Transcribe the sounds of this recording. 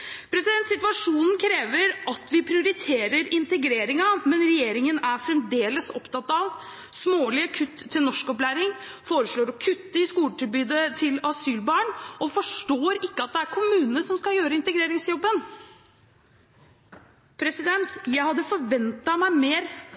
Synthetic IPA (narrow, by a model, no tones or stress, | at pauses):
pʰɾɛsɪd̪ɛnt̪sɪt̪ʋɑʂuːnn̩kʰɾeːʋəɾʔɑt̪ʋɪpʰɾɪʊɾɪt̪ʰeːɾəɾɪnt̪əɡɾeːɾɪŋɑmɛnɾɛjeːɾɪŋənæɾfɾɛmd̪eːləsɔpt̪ʰɑt̪ːɑʋ | smoːlɪəkʰʉt̪ʰːɪlnɔʂkɔplæɪɾɪŋ | foːɾəʂɭoːɾɔkʰʉt̪ːəɪskuːləʈʰɪlbyːd̪ət̪ʰɪlɑsyːlbɑːɳɔfɔʂʈoːɾɪkːəɑt̪̚d̪ɛæɾkʰʊmʉːnnəsɔmskɑjøːɾəɪnt̪əɡɾeːɾɪŋsjɔbːən | pʰɾɛsɪd̪ɛnt̪jæɪhɑd̪ːəfɔɾʋɛnt̪ɑmæɪmeːɾ